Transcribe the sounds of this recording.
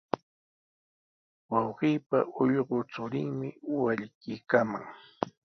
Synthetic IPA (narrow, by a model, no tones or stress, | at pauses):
wɑwɢiːpa̰ʔʊʎɢot͡sʊɾɪŋmɪwaʎkɪːkama̰ŋ